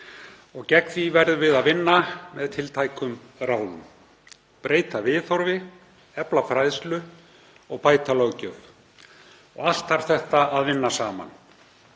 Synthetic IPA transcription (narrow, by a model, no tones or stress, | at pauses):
ɔɣcɛkfivɛɾðʏvɪðaðvɪnːamɛðt̪ʰɪlt̪ʰajkʰʏm | raːwðʏ̰m | pɾeːjt̪avɪːθɔɾvɪ | ɛplafɾajðslʏ | ɔɣpaːjt̪alɔwcœv | ɔ̰ɣal̥t̪aɾ̥θɛht̪aaðvɪnːasaːma̰n